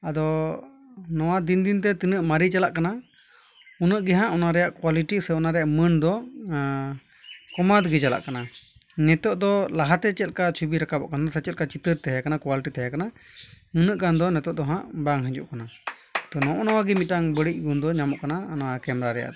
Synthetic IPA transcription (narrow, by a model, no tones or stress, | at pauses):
ad̪ɔ | nɔwad̪ind̪int̪̬ɛt̪inəʔmaɾit͡ʃalaʔkana | unəʔɡɛɦãʔɔnaɾɛjaʔkwaliʈisɛɔnaɾɛjaʔmənd̪ɔ | kɔmad̪ɡɛd͡ʒala̰ʔkana | nɛt̪ɔʔd̪ɔlaɦat̪ɛt͡ʃɛl̚kat͡ʃʰubiɾakabɔ̰ʔkanad̪sat͡ʃɛlkat͡ʃit̪əɾt̪ɛjakanakwaliʈit̪ɛɦjakanamɨnəʔkand̪ɔnɛt̪ɔʔd̪ɔɦãʔbaŋɦɛ̃d͡ʒṵʔkana | t̪ɔnɔ̃ʔɔnɔwaɡɛmit̪̚aŋbəɽic̚ˀɡund̪ɔɲamɔʔkanaːnakɛmɾaɾɛja̰ʔd̪ɔ